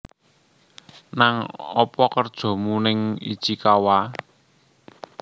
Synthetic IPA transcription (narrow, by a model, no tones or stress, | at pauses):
naŋɔpɔkərd̥ʒ̥ɔ̤munɪŋḭd̥ʒ̥i̤kawa